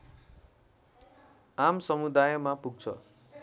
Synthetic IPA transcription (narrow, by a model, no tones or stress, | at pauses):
amsʌmud̪ajʌmapuɡ̚t͡sʰʌ̰